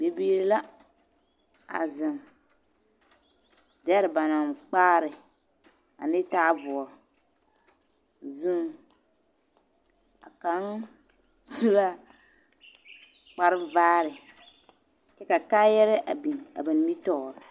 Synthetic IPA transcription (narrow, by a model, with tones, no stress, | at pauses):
be˦biː˦ɾi˦la˦ | a̰˨zɪ˨ŋ | dɛ˦ɾɪ˨ba˨na˨ŋk͡paː˦ɾɪ˨ | a̰˨nɪ˦taː˦vʊ˨ɾ | zu˦ | a̰˨ka˨˦n | zu˦la˦ | k͡pa˨ɾɪ˦vaː˦ɾɪ˨ | t͡ʃɛ˦ka˨kaː˦jɛ˦ɾɪ˦ʔa̰˨bi˨na̰˨bɪ˨n˦mi˦tɔ˦˨ɾɪ˨